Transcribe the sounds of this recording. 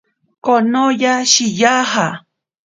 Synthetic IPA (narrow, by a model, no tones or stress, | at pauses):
konojaʃijaha